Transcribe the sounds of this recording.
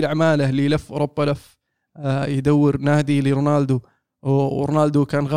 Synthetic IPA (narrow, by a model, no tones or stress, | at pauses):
lʔaʕmaːlalilafːʔɾˤʊbːalaf | jd̪awːɪɾnaːd̪iliɾʊnaːld̪u | ɾʊnaːld̪ukaːnɣa